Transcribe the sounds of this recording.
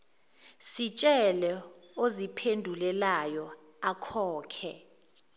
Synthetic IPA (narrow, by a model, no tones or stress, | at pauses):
sit͡ʃʼɛlɛozipʰendʱulɛlajɔ | akʰɔːkʰɛ̰